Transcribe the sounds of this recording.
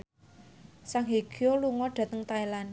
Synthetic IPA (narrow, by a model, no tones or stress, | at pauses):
saŋɦeɡ̥oluŋɔd̪̥a̤t̪əŋt̪aelan